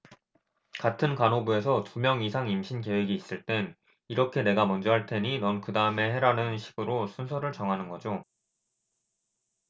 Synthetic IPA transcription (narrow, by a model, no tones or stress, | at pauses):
katʰɯnkanɦobue̞sʰʌtumjʌŋisʰaŋimɕʰinke̞we̞ɡiːs͈ɯɭt͈e̞n | iɾʌkʰe̞ne̞ɡamʌnd͡ʑʌɦaɭtʰe̞ɲinʌnkɯdaɯme̞he̞ɾanɯnɕʰi̥ɡ̥ɯɾosʰunsʰʌɾɯɭt͡ɕʌŋɦanɯnɡʌd͡ʑo